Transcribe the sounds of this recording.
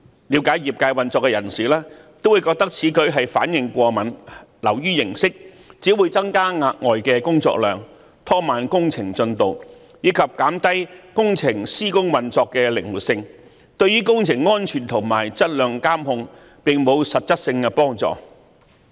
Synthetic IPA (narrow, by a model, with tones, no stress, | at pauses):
liː˨˥wkaː˨˥jjiː˨˩p̚kaː˧jwɐ˨nt͡sɔː˧kːɛ˧jɐ˨˩nsiː˨˩lɛː˥ | t̪o˥wu˨˧jkɔː˧k̚t̪ɐ˥k̚t͡sʰiː˨˥kɵ˨˥ɥɦɐ˨jfa̰ː˨˥njɪ˨ŋkʷɔː˧mɐ˨˩nlɐ˨˩wjyː˥jɪ˨˩ŋsɪ˥k̚ | t͡siː˨˥wuː˨˧jt͡sɐ˥ŋkaː˥ŋaː˧k̚ŋɔː˨jkɛː˧kʊ˥ŋt͡sɔ̰ː˧˥k̚lœ̰ː˨ŋ | t̪ʰɔː˥maː˨nkʊ˥ŋt͡sʰɪ˨˩ŋt͡sɵ˧nt̪o˨w | jiː˨˧kʰɐ˨p̚kaː˨˥mt̪ɐ˥jkʊ˥ŋt͡sʰɪ˨˩ŋsiː˥kʊ˥ŋwɐ˨nt͡sɔː˧kːɛː˧lɪ˨˩ŋwu˨t̚sɪ˧ŋ | t̪ɵ˧ɥɥyː˥kʊ˥ŋt͡sʰɪ˨˩ŋːɔː˥nt͡ʃʰyː˨˩nt̪ʰʊ˨˩ŋmaː˨˩jt͡sɐ˥t̚lœː˨ŋkaː˥mhʊ˧ŋ | pɪ˨ŋmo˨˧wsɐ˨t̚t͡sɐ˥t̚sɪ˧ŋkɛ˧pɔː˥ŋt͡sɔ̰ː˨˩